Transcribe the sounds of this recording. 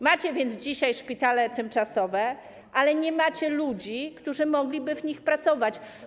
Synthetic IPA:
mat͡ɕɛvʲjɛnd̪zd͡ʑiɕajʂpʲit̪alɛt̪ɘmt͡ʂasɔvɛ | ʔalɛɲɛmat͡ɕɛlud͡ʑikt̪uʐɘmɔɡlʲibɘvɲixpɾat̪sɔvat͡ɕ

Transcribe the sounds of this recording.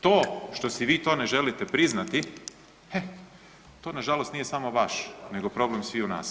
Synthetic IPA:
t̪oːʃt̪osiʋiːt̪o̞ːne̞ʒe̞lit̪epɾiznat̪i | e | t̪o̞ːnaʒalost̪nije̞samoʋaʃne̞ɡo̞pɾo̞blemsʋiuna̰ːs

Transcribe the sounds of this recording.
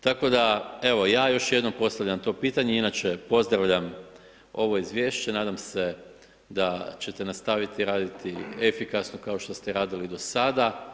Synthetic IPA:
t̪ako̞d̪ae̞ʋo̞jaːjo̞ʃje̞d̪no̞mpo̞st̪aʋʎʲamt̪o̞ːpiːt̪aɲeinat͡ʃe̞po̞zd̪ɾaʋʎam | o̞ʋo̞izʋje̞ːʃt͡ɕe̞naːd̪amse̞ | d̪at͡ɕe̞t̪e̞nast̪aʋit̪iɾaːd̪it̪iefikasnokao̞ʃt̪o̞st̪eɾaːd̪ilid̪o̞sad̪a

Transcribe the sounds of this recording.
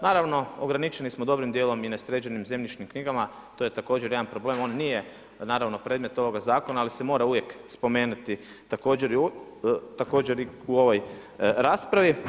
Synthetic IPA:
naːɾaʋno̞oɡɾanit͡ʃe̞nismod̪o̞bɾimd̪jeːlo̞minesɾeːd͡ʑenimze̞mʎit͡ʃnimkniɡama | t̪ojet̪ako̞ːd͡ʑeɾjed̪anpɾo̞ble̞ːmo̞ːnnije | naːɾaʋno̞pɾed̪mje̞t̪oʋo̞ɡazaːko̞naːlise̞mo̞ːɾauʋjekspo̞me̞ːnut̪i | t̪ako̞ːd͡ʑeɾ | t̪ako̞ːd͡ʑeɾi | uo̞ʋo̞j | ɾaːspɾaʋi

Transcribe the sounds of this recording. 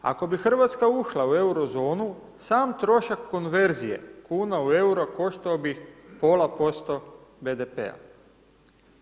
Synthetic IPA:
a̰ko̞bixr̩ʋat̪skauʃlaue̞wɾo̞zo̞ːnu | saːmt̪ɾo̞ʃakːonʋe̞ɾzije̞̰kuːnaue̞uɾoko̞ʃt̪aobixpo̞ːlapo̞st̪o̞bed̪epḛa̰

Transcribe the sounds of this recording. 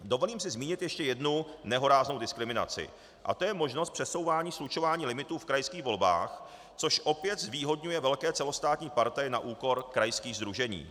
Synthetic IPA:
dovo̞liːmsɪzmiːɲɪt̪jɛʃcɛjɛdnunɛɦo̞ɾaːznowdɪskɾɪmɪna̰t͡sɪ̰ | ʔa̰t̪ojɛmo̞ʒnost̪pr̥ɛso̞wvaːɲiːslut͡ʃo̞vaːɲiːlɪmɪt̪uːfkɾajskiːɣvo̞lba̰ːx | t͡soʃʔo̞pjɛt̪zviːɦo̞dɲujɛvɛlkɛːt͡sɛlo̞st̪aːt̪ɲiːpaɾt̪ajɪna̰ʔuːko̞ɾkɾajskiːɣzd̪ɾuʒɛɲḭː

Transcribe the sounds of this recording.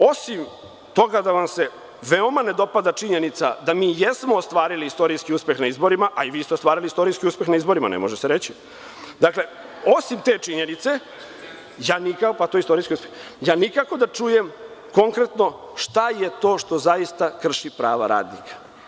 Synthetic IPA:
o̞sim | t̪o̞ɡad̪aʋamse̞ | ʋeo̞mane̞d̪o̞pad̪at͡ʂiɲenit̪sad̪amiːjesmo̞ːst̪ʋaːɾiliist̪o̞ɾijskiuːspe̞xnaizbo̞ɾimaʔaiʋiːst̪est̪ʋaːɾilist̪o̞ɾijskiuːspe̞xnaizbo̞ɾima̰nḛmoʒeseɾet͡ɕi | d̪akle̞ | osimt̪e̞ːt͡ʂiɲenit̪se̞ | jaːnikakpat̪ojeist̪o̞ɾijskʲiuspexjaːnikako̞d̪at͡ʂuːje̞mko̞ŋkɾe̞t̪no̞ | ʂt̪ajet̪o̞ːʂt̪o̞zaist̪akr̩ʂipɾaːʋa̰ɾa̰ːd̪nḭkʰḁ

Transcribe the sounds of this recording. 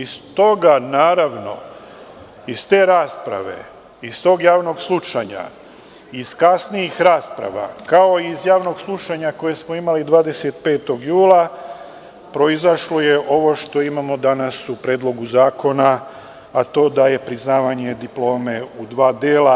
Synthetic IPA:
ist̪o̞ɡanaːɾaʋno̞̰ | ist̪e̞ːɾaːspɾa̰ʋe̞̰ | ist̪o̞ːɡjaːʋno̞ɡslˠut͡ʃaɲa̰ | iskasnijixɾaːspɾa̰ʋa̰kao̞izjaːʋno̞ɡslˠut͡ʃaɲako̞jesmo̞imalid̪ʋaːd̪e̞se̞t̪̚pe̞ːt̪o̞ɡjuːlˠa | pɾo̞izaʃlo̞je̞ʔo̞ʋo̞ʃt̪o̞imamo̞d̪anasupɾeːd̪lˠo̞ɡuzaːko̞naː | t̪o̞ːd̪aje̞pɾiznaːʋaɲe̞d̪iplˠo̞ːme̞ud̪ʋaːd̪eːla

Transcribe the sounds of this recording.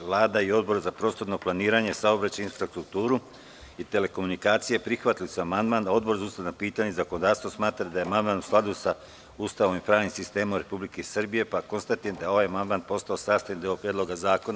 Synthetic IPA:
ʋlˠaːd̪aio̞d̪̚bo̞ɾzapɾo̞ːst̪oɾnoplˠaniːɾaɲe̞saobɾat͡ɕainfɾast̪ɾuk̚t̪uːɾu | it̪e̞le̞ko̞munikaːt̪sijepɾixʋat̪ilusaamand̪maːnd̪ao̞d̪bo̞ɾzaust̪anapiːt̪aɲezakono̞d̪aːɾst̪ʋosmaːt̪ɾad̪ajeamand̪maːnusklˠad̪usa | ust̪aʋoʋimpɾaːʋnimsist̪e̞ːmomɾe̞publikesr̩bije̞pako̞nst̪at̪ijed̪aeo̞ʋajamand̪maːnd̪̚po̞st̪ao̞saːst̪ajend̪eopɾjed̪lo̞ɡazaːko̞na

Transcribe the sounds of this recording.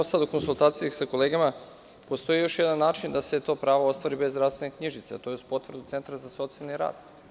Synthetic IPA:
osad̪oko̞nsulˠt̪aːt̪sijasako̞leːɡama | post̪o̞jijo̞ʃjed̪anːaːt͡ʃind̪ase̞t̪o̞ːpɾaːʋoost̪ʋaɾibe̞zzɾafst̪ve̞nekɲiʒit̪set̪ojespo̞t̪vr̩d̪ut̪e̞nt̪ɾazaso̞t̪sialˠniɾa̰ːd̪̥

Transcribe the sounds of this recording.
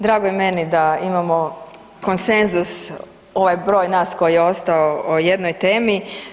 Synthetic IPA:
d̪ɾaːɡoime̞nid̪aimamo̞ | ko̞nse̞nzus | o̞ʋajbɾo̞ːjnaːsko̞jijeo̞st̪aooje̞d̪nojt̪e̞ːmi

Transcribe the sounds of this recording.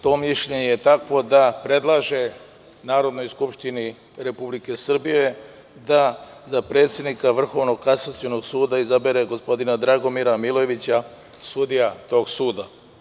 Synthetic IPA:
t̪o̞ːmiʃʎeɲejet̪akʋo̞d̪apɾe̞d̪lˠaʒe̞ | naːɾo̞d̪no̞jskupʃt̪ini | ɾe̞publike̞sr̩bije̞ | d̪a | zapɾe̞ːt̪sʲje̞d̪nikaʋr̩xo̞ʋno̞kasat̪siono̞ɡsuːd̪aizabeɾe̞ɡo̞spo̞d̪inad̪ɾaɡo̞miɾamilˠo̞jeʋit͡ɕa | sud̪ijat̪o̞ːɡsuːd̪a

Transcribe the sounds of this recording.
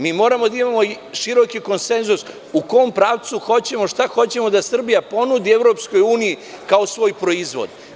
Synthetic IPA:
miːmo̞ːɾamo̞d̪aimamo̞ | ʃiɾo̞kiko̞nse̞nzus | ukoompɾaːʋt̪suxo̞t͡ɕe̞mo̞ʃt̪axo̞t͡ɕe̞mod̪asr̩bijapo̞nud̪ieʋɾo̞psko̞juːniji | kaosʋo̞ːjpɾo̞izʋo̰d̪

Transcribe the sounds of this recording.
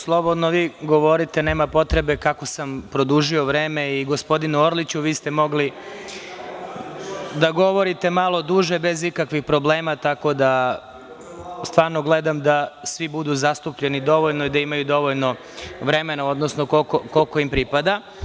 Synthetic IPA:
slˠo̞bo̞d̪noʋiːɡo̞ʋo̞ɾit̪e̞neːmapo̞t̪ɾe̞be̞kako̞sampɾo̞d̪uːʒio̞ʋɾe̞ːme̞iɡo̞spo̞d̪inuoɾlit͡ɕuʋiːst̪emo̞ɡli | d̪aɡo̞ʋo̞ɾit̪e̞malˠo̞d̪uːʒe̞be̞zikakʋixpɾo̞ble̞ːmat̪ako̞d̪a | st̪ʋaːɾnoɡle̞d̪amd̪asʋibud̪uzast̪upʎe̞nid̪o̞ʋoʎnoid̪aimajud̪o̞ʋoʎno̞ | ʋɾe̞me̞nao̞d̪nosnokokokolko̞impɾipad̪a

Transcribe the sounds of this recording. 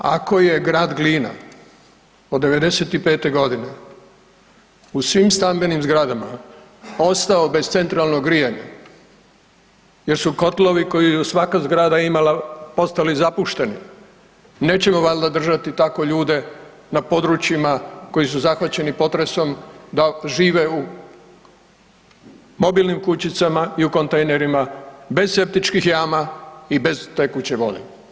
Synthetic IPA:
a̰ko̞je̞ɡɾaːd̪ɡliːna̰ | od̪ːe̞ʋe̞d̪e̞se̞t̪ipe̞ːt̪e̞ɡo̞d̪ine̞ | usʋimst̪ambenimzɡɾad̪ama | o̞st̪ao̞bezt̪se̞nt̪ɾalno̞ɡɾijaɲḛ | je̞ɾsuko̞t̪lo̞ʋiko̞jijusʋakazɡɾaːd̪aimalapo̞st̪alizapuʃt̪e̞nḭ | ne̞ːt͡ɕe̞moʋald̪ad̪r̩ʒat̪it̪ako̞ʎuːd̪e̞ | napo̞d̪ɾut͡ɕjimako̞jis̬uzaxʋat͡ɕe̞nipo̞t̪ɾe̞so̞md̪aʒiːʋe̞u | mo̞bilnimkut͡ɕit̪samaiuko̞nt̪ejneɾimabe̞zse̞p̚t̪it͡ʃkixjaːmaibe̞zt̪e̞ːkut͡ɕeʋo̰nḛ

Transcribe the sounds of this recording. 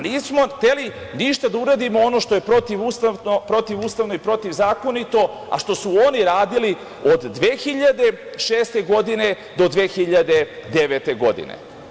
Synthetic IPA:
niːsmo̞xt̪e̞liniʃt̪ad̪auɾad̪imoono̞ːʃt̪oje̞pɾo̞t̪iʋust̪apɾo̞t̪iʋuːst̪aʋno̞ipɾo̞t̪iʋzaːko̞nit̪o̞ | a̰ʃt̪o̞suoniɾaːd̪ili | o̞d̪ːʋeːxiʎad̪e̞ | ʃeːst̪e̞ɡo̞d̪ine̞ | d̪o̞d̪ʋeːxiʎad̪e̞d̪e̞ʋet̪e̞ɡo̞d̪ḭnḛ

